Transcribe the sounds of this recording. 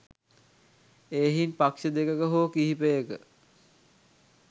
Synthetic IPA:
eːɦinpakʃəd̪ekəkəɦoːkiɦipəjəkə

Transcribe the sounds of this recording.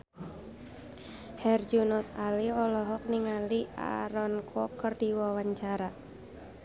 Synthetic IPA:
hɛrd͡ʒunɔt̪̚aliɔlɔɦɔk̚niŋalia̰ɾɔnkʰɔkərdiwawaɲt͡ʃaɾa

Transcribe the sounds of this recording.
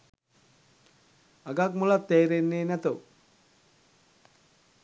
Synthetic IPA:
aɡak̚mulat̪ːeːɾenːeːnæt̪əw

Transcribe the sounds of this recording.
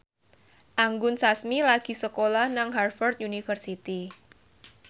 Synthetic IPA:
ʔaŋɡʊnsasmilaɡ̥i̤səkolahnaŋɦarfɔrt̪̚junifərsit̪i

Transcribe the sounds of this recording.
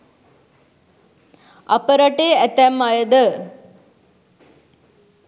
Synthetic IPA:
apəɾaʈeːæt̪æmːajəd̪ə

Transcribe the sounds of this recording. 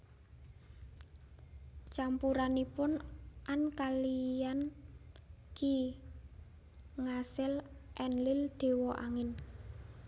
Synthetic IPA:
t͡ʃampuɾanipʊnʔankalijan | ki | ŋasɪlʔɛnlɪld̪̥e̤wɔʔaŋɪn

